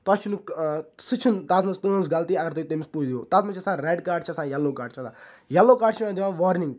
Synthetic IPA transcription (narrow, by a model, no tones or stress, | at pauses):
t̪at͡ʃʰunusɨt͡ʃʰunt̪at̪mɐ̃st̪əːnsɡɐlt̪iɐɡɐɾt̪uiʈemspuːd͡ʒd̪ioːt̪at̪mɐ̃t͡ʃʰɐsãːɾeːɖkaːɖ̚t͡ʃʰɐsãːjɐlːoːkaːɖ̚t͡ʃʰɐt̪a | jɐlːoːkaːɖt͡ʃʰmãd̪iʋãːʋɔːɾnĩŋɡ